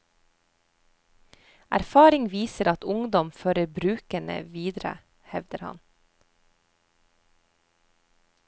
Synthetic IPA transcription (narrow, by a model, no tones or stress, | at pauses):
ʔæ̰ɾfɑːɾɪŋʋiːsəɾɑt̪ʊŋd̪ɔmføːɾəɾbɾʉːkəɳə̰ʋiːd̪ɾə̰ | hɛʋd̪əɾhɑ̰n